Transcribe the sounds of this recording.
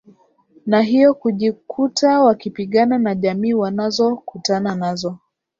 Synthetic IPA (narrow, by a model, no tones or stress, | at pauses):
naɦijɔkuʄikʰutawakipiɠananaʄamiːwanazɔkutananazɔ